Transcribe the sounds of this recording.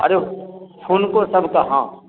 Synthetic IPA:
ə̰ɾehʊnkosəbʱkaːɦã̰ː

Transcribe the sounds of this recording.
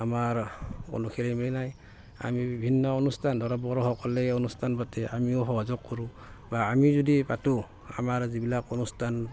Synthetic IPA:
amaɹɔ̰nukʰɛliminaj | a̰mibibʱinːɔɔnustʰandɔɾabɔɹɔhɔkɔlɛɔnustʰanbatɛʔamiʊɦɔbazɔkʰːɔɹu | baːmizɔdipatu | a̰maɹzibilakɔnustʰan

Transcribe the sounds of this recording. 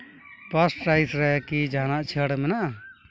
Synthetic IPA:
pəsʈɾajsɾɛkid͡ʒaːnaʔt͡ʃʰəɽmɛnaʔ

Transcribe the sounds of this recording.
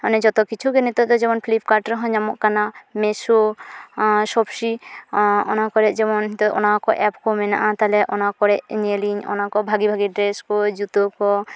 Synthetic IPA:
ɔnɛd͡ʒɔt̪ɔkit͡ʃʰuɡɛnɛt̪ɔt̪ɔd͡ʒɛmɔnpʰlipkaɾʈɾɔɦɔ̃d͡ʒamɔʔkanamɛso | sɔbsi | ɔnakɔɾɛd͡ʒɛmɔnɦt̪ɔʔɔ̰nakɔʔɛpkɔmɛna̰ʔat̪alɛʔɔnakɔɾɛʔɲeliɲɔ̰nakɔbʱaɡibʱaɡiɖɾɛskɔd͡ʒut̪ɔkɔ

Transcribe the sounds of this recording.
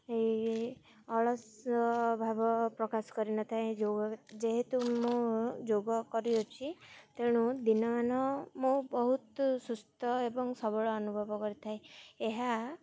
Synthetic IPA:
ei | ɔɭɔs | bʱabɔpɾɔkasɔ̥kɔɾinɔt̪ʰajd͡ʒoɡɔd͡ʒeɦet̪umũd͡ʒoɡɔkɔɾiot͡ʃʰit̪eɽ̃ũd̪inɔmanɔmũbɔɦut̪sust̪ʰɔebɔŋsɔbɔɭɔːnubʱɔbɔkɔɾit̪ʰajeɦa

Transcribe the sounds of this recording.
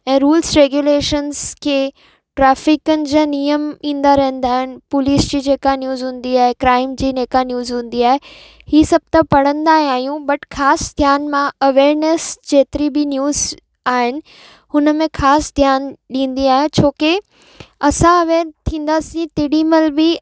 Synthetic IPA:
ɛ̃ːɾuːlsɾeːɡjuleːʃənskʰeː | ʈɾɛːfɪkənɪ̆d͡ʑaːnijəmĩːnd̪aɾɐɦə̃nd̪aːɦɪnɪ̆pʊliːsd͡ʑiːd͡ʑeːkanjuːzɦũːn̆d̪iaːɦekɾaːɪmd͡ʑiːneːkanjuːzɦũːn̆d̪iaːɦe | hiːsɐb̚t̪apɐɽə̃nd̪aːɦĩaːɦijũbɐʈxaːsd̪ʱjaːnmãɐʋeːɾnəsd͡ʑeːt̪ɪɾibɪnjuːz | aːɦɪnɪ̆ | hʊnəmẽxaːsd̪ʱjaːnɗĩːn̆d̪iaːɦet͡ɕʰoːke | ɐsãɐʋeːɾt̪ʰĩːn̆d̪aːsĩt̪ɪːɽiməlbɪ

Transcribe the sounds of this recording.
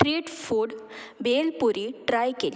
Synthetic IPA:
ʈɾiːʈfuːɽbelpuɾiːʈɾajkel

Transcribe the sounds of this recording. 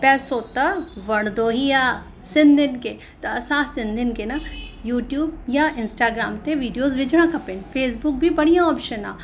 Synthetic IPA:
pɛːsoːt̪aʋɐɽ̃d̪oːɦijaː | sɪnd̪ɪnke | t̪ɐsaːsɪ̃nd̪ɪnkenajuːʈjuːbjaʔɪ̃nsʈaːɡɾaːmt̪eʋiːɖijoːzʋɪd͡ʒɽ̃ãkʰɐpɪnpʰeːs̬bʊk̚bʱibɐɽijãɔːpʃəna̰ː

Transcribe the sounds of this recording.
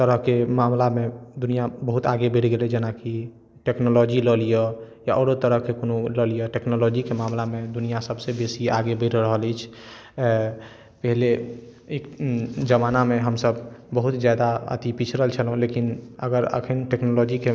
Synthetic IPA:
t̪əɾəɦkemamlamed̪unijabəɦut̪aɡebeʈɡelɛd͡ʒenaki | ʈeknolɔd͡ʒiləlijəjaʔɔɾot̪əɾəɦkekonoləlijəʈeknolɔd͡ʒikemamlamed̪unijasəbsebesiaɡebəʈɾəɦəlɛt͡ʃʰ | pəɦile | ekd͡ʒəmanameɦəmsəbbəɦut̪d͡ʒad̪aə̰t̪ipit͡ʃʰɾəɦəlt͡ʃʰəlɦũlekinə̰ɡəɾə̰kʰənʈeknolɔd͡ʒike

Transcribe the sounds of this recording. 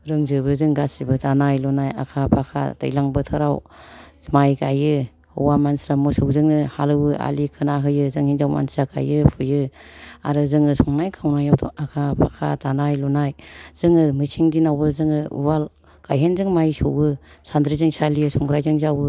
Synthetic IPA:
ɾɯŋzɯbɯzɯŋɡasibɯdanajlɔnaja̰kʰapʰakʰa̰ta̰jlaŋbɯtʰɯɾaw | majkajɯ | hɯwamansɾamɔsɯwzɯŋnɯhalɯwɯʔa̰likʰɯnaɦɯjɯzɯŋhinzawma̰nsiɾaka̰jɯpʰɯjɯa̰ɾɯzɯŋɯsɔŋnajkʰawnajawtʰɔ̰akʰapʰakʰa̰tanajlɔnajz̥ɯŋɯmɯsiŋdinawbɯzɯŋɯṵbal | kajɦenzɯŋmajsɯwɯ | sandɾizɯŋsalijɯsɔŋɡʰɾajzɯŋzawɯ

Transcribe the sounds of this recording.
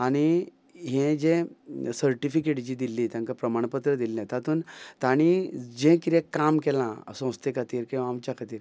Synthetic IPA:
aɽ̃i | ɦẽd͡ʑẽsəɾʈifikeʈd͡ʑiːd̪ilːiːt̪jãŋkapɾəmaɳ̃pət̪ɾəd̪ilːãt̪at̪uːnt̪aɽ̃id͡ʑẽkiɾekːamkɛlãsə̃w̃st̪ekʰat̪iːɾkĩʋaːmt͡ɕjakʰat̪iːɾ

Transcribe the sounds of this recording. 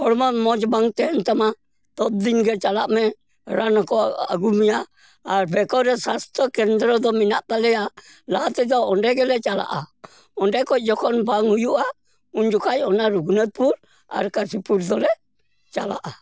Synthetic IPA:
ɔɾmamɔd͡ʒbaŋt̪ɛnt̪ama | t̪ɔb̪̚d̪inɡɛt͡ʃalaʔmɛ | ɾanakɔa̰ɡumiaː | ɾbɛkɔɾɛsast̪ɔkɛnd̪ɾɔd̪ɔminaʔt̪alɛa | lat̪ɛd̪ɔɔndɛɡɛlɛt͡ʃala̰ʔa | ɔndɛkɔd͡ʒɔkɔnbaŋujuʔa | und͡ʒukajɔnaɾuɡunət̪̚puɾ | a̰ɾkasipuɾd̪ɔlɛ | t͡ʃala̰ʔa

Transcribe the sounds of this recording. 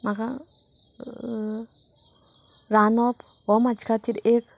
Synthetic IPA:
maka | ɾanop | womat͡ʃkat̪iɾek

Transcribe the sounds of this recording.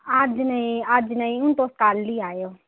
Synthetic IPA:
ad͡ʒnəĩad͡ʒnəĩʊnt̪oːskaːlːiːaːjoː

